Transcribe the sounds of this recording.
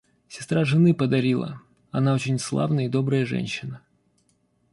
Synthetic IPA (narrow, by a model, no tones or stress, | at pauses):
sʲɪ̥st̪ɾaʐɨnɨpəd̪ɐɾʲilˠə̰ | ɐnao̞t͡ɕɪnʲslˠa̰vnəjəid̪o̞bɾəjəʐɛ̰nʲɕːɪnə